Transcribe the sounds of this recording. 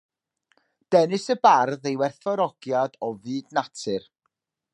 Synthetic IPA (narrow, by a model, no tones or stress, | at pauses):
d̥ɛnɨsəbarðejwɛrθɔɾɔɡ̥jadɔvɨːdnatʰɨr